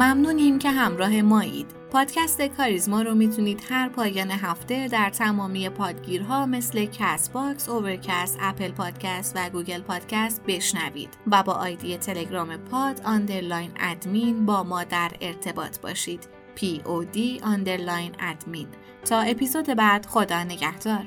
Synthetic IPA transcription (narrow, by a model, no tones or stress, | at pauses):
mæmnuːniːmcʰe̞ɦæmɾɒːɦe̞mɒːḭːd̪̥pʰɒːd̪̥cʰæst̪e̞kʰɒːɾizmɒːɾomiːt̪ʰuniːd̪̥hæɾpʰɒːjɒːneɦæft̪e̞d̪æɾt̪ʰæmɒːmije̞pʰɒːd̪ɟiːɾɦɒːme̞sle̞cʰæsbɒːksove̞ɾcʰæst̪æpʰelpʰɒːd̪̥cʰæst̪væɡuːɡe̞lpʰɒːd̪̥cʰæst̪̚be̞ʃnævḭːd̪̥væbɒːʔɒːjd̪ije̞t̪ʰe̞le̞ɡɾɒːme̞pʰɒːd̪ɒnd̪e̞ɾlɒːjnæ̰d̪miːnbɒːmɒːd̪æɾe̞ɾt̪ʰe̞bɒ̰ːt̪ʰb̥ɒ̰ːʃiːd̪̥ | pʰiod̪iɒnd̪e̞ɾlɒːjnæ̰d̪̥miːn | t̪ʰɒːe̞pizoːd̪e̞bæd̪̥χo̞d̪ɒːne̞ɟæhd̪̥ɒːɾ